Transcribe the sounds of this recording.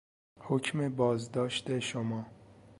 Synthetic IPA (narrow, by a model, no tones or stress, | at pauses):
hocʰmebɒːzd̪ɒːʃt̪eʃomɒː